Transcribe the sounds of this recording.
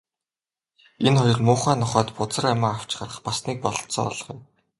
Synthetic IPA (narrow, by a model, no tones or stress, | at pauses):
enχɔjɞ̆rmʊːχæːnɔχɔːt̪pʊt͡sə̆ramaːaw̥t͡ɕχarə̆χpasniːk̚pɔɮ̆t̪sɔ̰ːɔ̰ɮ̆χij